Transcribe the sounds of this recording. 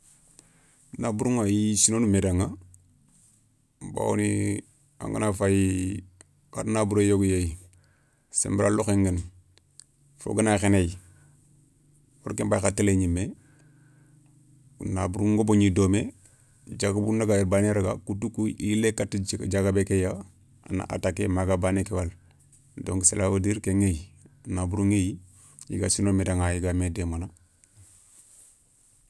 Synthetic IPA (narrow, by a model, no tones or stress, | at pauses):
nabuɾuŋajisinonumedaŋa | ba̰wo̰ni | a̰ŋɡə̰nafaji | ka̰ɾnabuɾojoɡujei | sḛmbɾaloxeŋɡən | fo̰ɡənaxeneji | wo̰ɾkembajxatːileɲimːe | na̰buɾuŋɡoboɲidoːme | d͡ʒaɡabunaɡajiɾbaneɾaɡakutukuilekatd͡ʒaɡabekeja | a̰na̰ʔa̰takemaɡabanekewal | doŋɡselawadiɾkeŋejnabuɾuŋej | jḭɡasinomedaŋajiɡamedemana